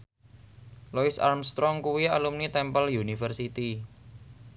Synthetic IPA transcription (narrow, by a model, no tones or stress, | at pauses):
lɔɪsa̰rmst̪ɾɔŋkuwialumnit̪ɛmpəljunifərsit̪i